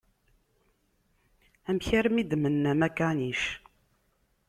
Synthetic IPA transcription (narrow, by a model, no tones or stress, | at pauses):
æmçaɾmid̪mənːæmækaniʃ